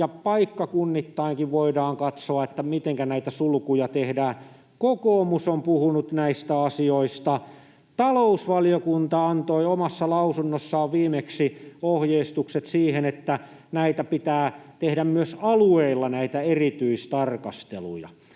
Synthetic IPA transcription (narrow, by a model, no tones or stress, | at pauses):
jɑpɑikːɑkunːit̪ːɑiŋkiʋʋoidɑːŋkɑt̪soɑet̪ːæmit̪eŋkænæit̪æsulukujɑt̪ehdæː | kokoːmusompuhunut̪næist̪æɑsioist̪ɑ | t̪ɑlousʋɑlijokunt̪ɑɑnt̪oiomɑsːɑlɑusunːosːɑːʋʋiːmeksiohjeist̪ukset̪siːhenet̪ːæ | næit̪æpit̪æːt̪ehdæmmyøsɑlueilːɑnæit̪æerit̪yist̪ɑrkɑst̪elṵjɑ̰